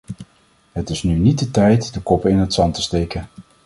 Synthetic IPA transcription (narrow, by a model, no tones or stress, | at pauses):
ɦətɪsnynid̚dətɛjtdəkɔpɪnɦətsɑntəstejkən